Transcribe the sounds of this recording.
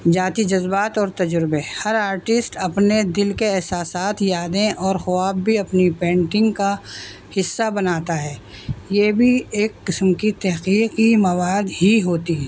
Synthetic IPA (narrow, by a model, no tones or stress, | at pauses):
d͡ʒaːt̪id͡ʒɐzbaːt̪ɔːɾt̪ɐd͡ʒʊɾbehɐɾaːɾʈɪsʈɐpned̪ɪlkeɛɦsaːsaːt̪ʰjaːd̪ẽʔɔːɾxʊaːbːʱiɐpnipẽːɳʈɪ̃ŋɡka | hɪsːabɐnaːt̪aɦɛː | jebʱieːkːɪsəmkit̪ɛɦqiːqimɐwaːd̪ɦiɦoːt̪i